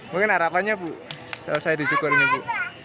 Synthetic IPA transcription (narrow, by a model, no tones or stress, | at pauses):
muŋkɪnaɾapaɲapuʔsasajad̪it͡ʃukɔɾiɲapuʔ